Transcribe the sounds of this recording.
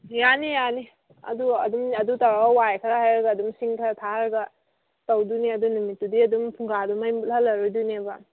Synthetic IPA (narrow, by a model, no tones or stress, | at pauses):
janijani | ɐ̰duɐdumɐdutawɾawajkʰɾahajɾɐɡɐːdumsiŋkʰɾatʰaɾɐɡɐ | tɐwduniɐdunumitːudiɐdumpʰuŋɡadumajmulhɐlːɐɾudunebɐ